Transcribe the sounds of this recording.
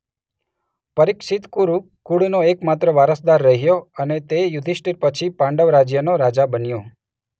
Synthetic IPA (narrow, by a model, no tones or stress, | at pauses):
pəɾɪkʃɪt̪kuɾu | kuɽnoekmat̪ɾəʋaɾəsd̪aɾːəɦijoənet̪ejʊd̪ʱiʃʈiɾpət͡ʃʰipãɳɖəʋɾad͡ʒjənoɾad͡ʒabənjo